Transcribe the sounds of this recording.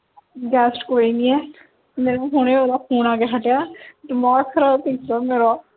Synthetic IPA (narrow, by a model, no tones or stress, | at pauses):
ɡɛːsʈkoːiːniːɛː | meːnũɦoːneaːlaːpʰuːnaːkeɦəʈjaːd̪əmaːkʰəɾaːt̪ɪksaːmeːɾaː